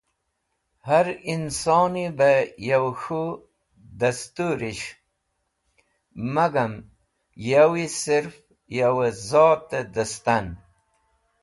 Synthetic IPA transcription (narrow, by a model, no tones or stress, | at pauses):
haɾinsoːnibejawxu | d̪ast̪uɾiɕ | maɡam | jawisiɾf | jawezoːt̪ed̪əst̪an